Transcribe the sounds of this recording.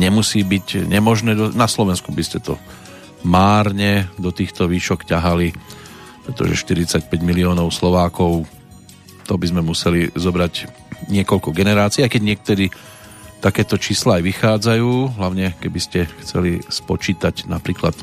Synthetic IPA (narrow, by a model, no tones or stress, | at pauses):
ɲɛmusiːbiɟɲɛmɔʒnɛːd̪ɔnaslɔʋɛnskubiscɛt̪ɔ̰ | maːɾɲɛd̪ɔt̪iːxt̪ɔʋiːʃɔkcaɦali | pɾɛt̪ɔ̰ʒɛ̰ʃt̪iɾit͡sac̚pɛɟmiliɔːnɔʊslɔʋaːkɔʊ | t̪ɔbizmɛmusɛlizɔbɾaɟ | ɲɪɛkɔʎkɔɡɛnɛɾaːt͡siːajkɛɟɲɪɛk̚t̪ɛɾi | t̪akɛːt̪ɔt͡ʃiːslaːajʋixaːd͡zajuːɦlaʊɲɛkɛbiscɛxt͡sɛ̰lispɔt͡ʃiːt̪aɟnapɾiːklat̪